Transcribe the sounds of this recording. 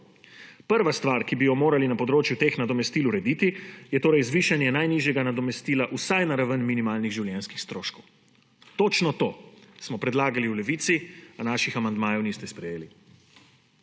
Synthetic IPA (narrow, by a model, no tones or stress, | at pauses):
pəɾʋast̪ʋaɾkibijɔmoːɾalinapɔd̪ɾoːt͡ʃjut̪eːxnad̪ɔmɛst̪iːluɾɛd̪iːt̪ijɛt̪oːɾɛjzʋiːʃanjɛnajniːʒjɛɡanad̪ɔmɛst̪iːlaʔusajnaɾaʋənminimaːlniɣʒiwljɛnskixst̪ɾoːʃkɔw | t̪oːt͡ʃnɔt̪oːsmɔpɾɛd̪laːɡaliulɛʋiːt̪sianaːʃixamand̪maːjɔwniːst̪ɛspɾɛjeːli